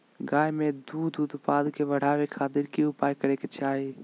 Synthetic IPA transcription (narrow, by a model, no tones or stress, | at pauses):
ɡaːjmẽd̪uːd̪ud̪paːd̪keʋəɽ̤aːʋekʰaːt̪ɪɾkiʊpaːjkəɾeket͡ʃaːɦi